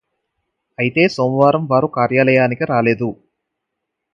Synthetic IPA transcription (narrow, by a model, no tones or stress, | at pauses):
ɐjit̪e̞ːsoːmɐʋaːɾɐmʋaːɾukaːɾjaːlɐjaːnikiɾaːle̞ːd̪u